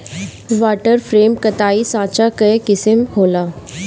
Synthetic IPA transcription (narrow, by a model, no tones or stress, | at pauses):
ʋaːʈəɾfɾeːmkət̪aːisãːt͡ʃakɐekɪsəmhoːlaː